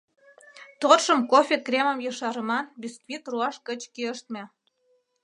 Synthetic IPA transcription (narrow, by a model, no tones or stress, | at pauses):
t̪orʃə̆mkofʲekrʲeməmjɤʃɑɾəmɑnbʲiskvʲit̪ruɑʃkət͡ɕkiəʃt̪̚mʲĕ